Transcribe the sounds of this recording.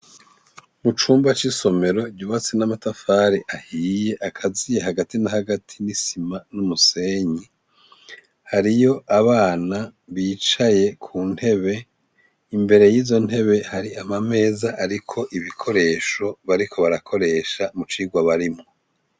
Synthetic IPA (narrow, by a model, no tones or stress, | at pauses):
mut͡ʃuːmbat͡ʃiso̞me̞ɾo̞ɟuːβat͡senamatafaːɾiʔahiːje̞ʔakʰazijehaɡatinahaɡatʰinisimanumuse̞ːɲi | haɾijo̞ʔaβaːnaβiːt͡ʃaje̞kʰuːn̥he̞βe̞ | imbe̞ɾe̞jiːzo̞n̥he̞βe̞haɾiamame̞ːzaʔaɾikʰo̞ʔiβikʰo̞ɾe̞ːʃo̞βaɾikʰo̞βaɾakʰo̞ɾe̞ːʃamut͡ʃiːɡwaβaɾimŋo